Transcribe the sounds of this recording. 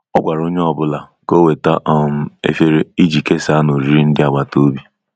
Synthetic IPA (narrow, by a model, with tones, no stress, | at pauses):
ɔ˦ɡʷa˨ɾo˦ɲe˦ɔ˨bʊ˦la˨ko˦we˨ta˦ʔɔ˦˨m̩˦ḛ˦fe˦ɾe˦i˦d͡ʒi˨ke˦sa˦no˨ɾi˦ɾi˦n̩˦dɪ˦a˨ɡ͡ba˨to˦bi˦